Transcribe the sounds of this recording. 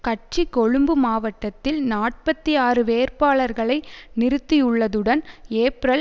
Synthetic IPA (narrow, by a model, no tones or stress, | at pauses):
kɐʈ̚t͡ʃikɔɻɯmbɯmaːʋɐʈːɐt̪ːɪlnaːʈ̚pɐt̪ːijaːrɯʋeːɾpaːɭɐɾɣɐɭɐɪnɪɾɯt̪ːijɯɭːɐðɯɽɐneːpɾɐl